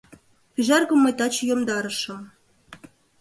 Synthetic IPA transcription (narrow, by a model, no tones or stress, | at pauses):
pʲiʒɑrɡɤ̆mːɤ̆jt̪ɑt͡ɕjomd̪ɑɾɤ̆ʃɤ̆